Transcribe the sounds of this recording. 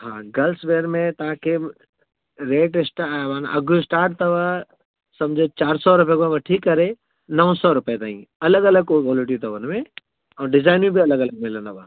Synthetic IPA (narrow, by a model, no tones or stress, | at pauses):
ɦãːɡɐlsʋeːɾmẽt̪ãke | ɾeːʈɪsʈaʋanʔɐ̰ɡʱuɪsʈaːɾʈ̚t̪ɐʋa | sɐmd͡ʒʱet͡ʃaːɾsɔɾʊpjekʋɐʈʰikːɐɾe | nəʋsɔɾʊpjet̪aːḭ̃ɐləɡɐləɡ̚kkɔːlɪʈ̬it̪ɐʋənmẽ | ɔːɖɪd͡ʒaːɪnĩbʱiɐləɡɐləɡ̚mɪlənɐʋa̰ː